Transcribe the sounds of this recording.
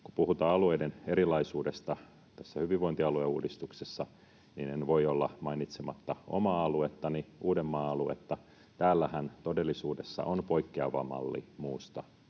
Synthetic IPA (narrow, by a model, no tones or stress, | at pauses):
kupuhut̪ɑːɑlueideneɾilɑisuːdest̪ɑ | t̪æsːæhyʋiʋoint̪iɑlueuːdist̪uksesːɑ | ninenʋoiolːɑmɑinit̪semɑt̪ːɑo̰mɑːɑluet̪ːɑniʔuːdemːɑːɑluḛt̪ːɑ | t̪æːlːæhænt̪odelːisuːdesːɑ̰ʔonpo̞ikːeɑʋɑ̰mɑ̰lːḭmuːst̪ɑ